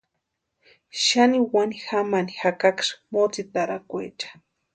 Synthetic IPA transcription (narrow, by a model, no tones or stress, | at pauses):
ʃaniwanixamanixakakʂmot͡sit̪aɾakʷḛt͡ʃḁ